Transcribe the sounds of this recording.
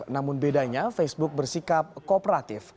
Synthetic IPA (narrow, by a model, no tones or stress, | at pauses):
namʊnbedaɲafesbʊk̚bərsikap̚kopɾat̪ɪf